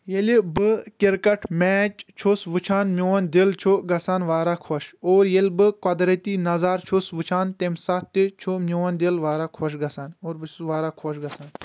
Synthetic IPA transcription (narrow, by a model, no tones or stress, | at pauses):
jelibɨkʲiɾkɐʈʰmɛːt͡ʃt͡ʃʰosʋɨt͡ʃʰaːnmʲowɐnd̪elt͡ʃʰoɡɐsaːnʋaːɾaːkʰoʃoːɾjelʲbɨkɐd̪ɾɐt̪iːnɐzaːɾt͡ʃʰosʋɨt͡ʃʰaːnt̪emsɐt̪it͡ʃʰumʲowɐnd̪elʋaːɾakʰoʃ̬ɡɐsaːnoːɾbɨʋaːɾaːkʰoʃɡɐsaːn